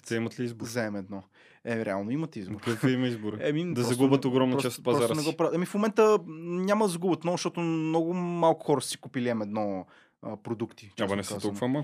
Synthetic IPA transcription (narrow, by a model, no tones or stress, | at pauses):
t̪ɛimɐt̪liizbʊɾzɛɛmɛd̪nɔ | ɛmiɾɛalˠnoimɐt̪izboɾkut̪imɐizboɾɛmid̪ɐzɐɡubət̪oɡɾɔmnɐɔt͡ʃast̪pɐzɾɔaɾɐnɛɡɔpɾat̪ɐmifmomɛnt̪ənʲamɐd̪ɐzɐɡubət̪mɔʃt̪ɔt̪ʊmnɔɡʊmalˠkʊ̥xɔɾəssi̥kupilʲiɛmɛd̪nɔ | əpɾod̪ukt̪i̥t͡ʃabɐnɛszt̪ɔlˠkuvama